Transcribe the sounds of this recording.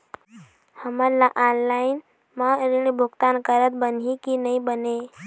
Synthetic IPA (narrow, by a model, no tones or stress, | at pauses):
həməɾlaʔaːnlaːɪn | mãɾiɳibʱʊkt̪ankəɾət̪̚bənikinəĩbəne